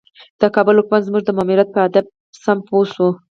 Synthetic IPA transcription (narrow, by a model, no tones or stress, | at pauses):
d̪̥əkɑbʊlʊkmand̪zmuʐd̪əmɑmiɾjat̪̚pəad̪ab̚ | samposu